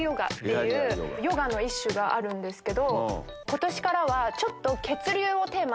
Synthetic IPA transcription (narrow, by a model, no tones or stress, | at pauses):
jo̞ɡa̰t̪ːe̞jɯːjo̞ɡano̞iɕːɨɡaʔaɾɯ̟̃nd̪e̞sɨ̥ke̞d̪o̞ | ko̞t̪o̞ɕi̥kaɾaβat͡ɕo̞t̪ːo̞ke̞t͡sɨɾʲɨːo̞t̪e̞ːma